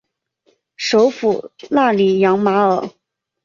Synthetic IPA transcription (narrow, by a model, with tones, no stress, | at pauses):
ʂo˧˥ʊfu˨˩na˥˩li˨˩jɑ˧˥ŋma˧˥ə˨˩˦